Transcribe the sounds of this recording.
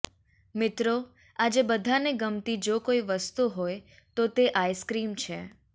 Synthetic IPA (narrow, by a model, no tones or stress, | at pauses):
mɪt̪ɾo | ad͡ʒebəd̪ʱaneɡəmt̪id͡ʒokoiʋəst̪uɦoj | t̪ot̪eʔajskɾimt͡ʃʰe